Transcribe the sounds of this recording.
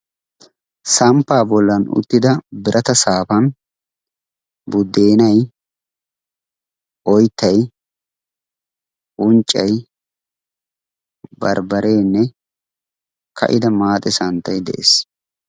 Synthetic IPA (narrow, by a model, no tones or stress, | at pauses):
sɐmpːaːbɔlːɐnʊ̰t̪ːɪd̪ɐbɪɾʔɐt̪ɐsaːpɐn | bʊd̪ːe̞ːnɐj | ʔɔjt̪ʰːɐj | ʊnt͡ʃʼːɐj | bɐ̰ɾbɐɾe̞ːnːɛ | kʰɐ̰ʔɪd̪ɐmaːt̪ʼɪsɐnt̪ːɐjd̪ɛ̰ʔḛːs